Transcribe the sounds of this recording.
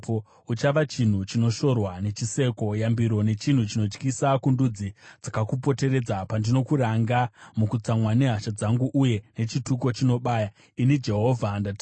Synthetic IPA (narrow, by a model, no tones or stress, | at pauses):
o | ut͡ʃaʋat͡ʃin̤ut͡ʃino̞ʃo̞rwane̞t͡ʃise̞ko̞jambiɾo̞ne̞t͡ʃin̤ut͡ʃino̞t͡ʃkisakundud͡zid͡zakakup̬o̞te̞ɾe̞d͡zapandino̞kuɾaŋɡamukut͡samwaneɦaʃad͡zaŋɡuʔuje̞ne̞t͡ʃituko̞t͡ʃino̞ɓaːja | inid͡ʒe̞ɦo̞vʱandatː